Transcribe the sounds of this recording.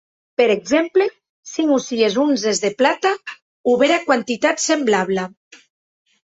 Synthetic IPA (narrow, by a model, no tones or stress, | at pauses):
peɾeɡzemple | siŋusiezunzezðeplat̪a | uβeɾakwant̪it̪at̪semblaβla